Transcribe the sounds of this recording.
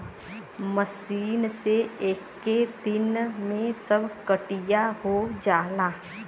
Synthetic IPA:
məsiːnseeːkː | ed̪ɪnmẽsəbʱkəʈijaɦod͡ʒaːlaː

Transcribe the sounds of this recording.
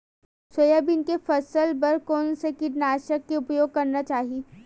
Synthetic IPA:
swəjabɪnkefɐsəlbɐɾkɔːnsekɪʈnaːʃəkːeʊpjoːɡ̚kɐɾnat͡ʃaːɦi

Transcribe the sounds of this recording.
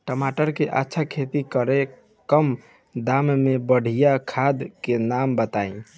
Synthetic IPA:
ʈəmaʈəɾkeʔatːʃʰakʰet̪ikəɾe | kəm | d̪ammebəɽ̤ʱijakʰad̪kenambət̪aĩ

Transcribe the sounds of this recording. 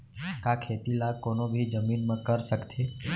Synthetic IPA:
kakʰet̪ilakonobʱid͡ʒəminmãkəɾʃəktʰe

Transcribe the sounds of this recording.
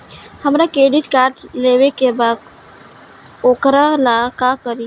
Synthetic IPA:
həmɾakɾeːɖiʈkaːɾʈleːwekebaːd̪̚ | oːkɾalakakəɾi

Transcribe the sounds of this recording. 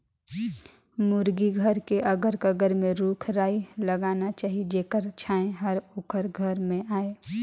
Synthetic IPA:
mʊɾɡiɡʱəɾkeʔɐɡəɾkəɡəɾmẽɾuːkʰɾaːilɐɡaːnat͡ʃaːɦid͡ʒeːkəɾt͡ʃʰaːẽɦəɾʊːkəɾɡʱəɾmẽaːeː

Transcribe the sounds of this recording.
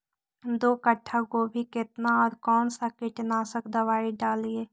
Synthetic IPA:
d̪oːkəʈʰːakobʱikɪt̪naɔːɾkɔːnsakɪʈnasəkd̪əʋaːiɖaːlieː

